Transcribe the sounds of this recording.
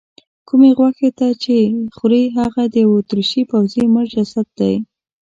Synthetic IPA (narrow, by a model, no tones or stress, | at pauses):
kumeɣwaxet̪at͡ʃexuɾeɦaɣad̪əjawot̪ɾuʃipawziməʒd͡ʒasat̪̚d̪aj